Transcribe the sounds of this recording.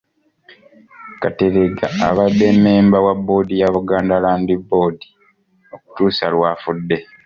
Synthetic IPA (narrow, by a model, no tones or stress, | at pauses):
kate̞ɾeɡa̰ːβadːemeːmbawabːo̞ːdijaβuɡaːndalaːndibo̞ːdi | o̞ku̥tuːsalwaːfudːe̞